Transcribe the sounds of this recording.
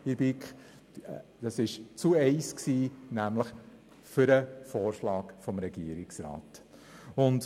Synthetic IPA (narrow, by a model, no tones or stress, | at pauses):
ɪbɪk | d̥ɑsɪʃt͡suɛɪsksiːnæmləχ | fʏɾəfɔːɾʃlɑːkfɔmɾɛɡiəɾɪksɾɑ̰ːt | ʊnd